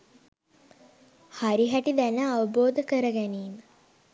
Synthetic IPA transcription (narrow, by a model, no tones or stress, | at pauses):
haɾiɦæʈid̪ænəaʋəboːd̪əkəɾəɡæniːmə